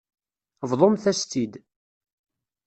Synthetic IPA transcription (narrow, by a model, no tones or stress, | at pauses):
vðˤomθæst̪id̪